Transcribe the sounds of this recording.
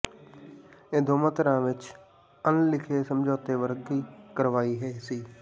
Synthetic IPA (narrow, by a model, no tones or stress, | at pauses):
ẽːd̪ʱoːmət̪ɾãːʋɪt͡ʃ | ənlɪkʰeːsəmd͡ʒoːt̪eːʋəɾɡiːkəɾʋaːiːɦɛiːsiː